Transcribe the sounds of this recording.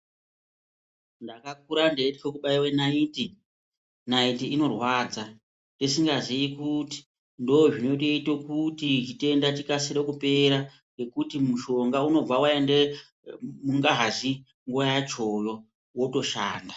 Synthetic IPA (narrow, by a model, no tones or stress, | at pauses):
ndakak̚uɾandeetikekuɓaiwenaiːti | naitiino̞rwaːd͡za | ndisiŋɡazijikuti̥ | ndooʐino̞t̬ito̞kutit͡ʃite̞ndatikasiɾekupe̞ɾa | ŋɡe̞kutimuʃo̞ŋɡauno̞b͡vawaende | muŋɡaɦaʐi | ŋɡuajat͡ʃo̞jo̞ | woto̞ʃa̰ːnda